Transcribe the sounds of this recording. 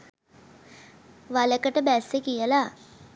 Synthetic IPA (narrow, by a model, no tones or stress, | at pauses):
ʋaləkəʈəbæsːekijəla